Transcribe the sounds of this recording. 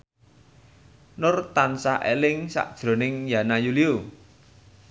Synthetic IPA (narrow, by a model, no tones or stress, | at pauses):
nʊrt̪ansaʔḛlɪŋsa̰ʔd̥ʒ̥ɾo̤nɪŋjanajuliu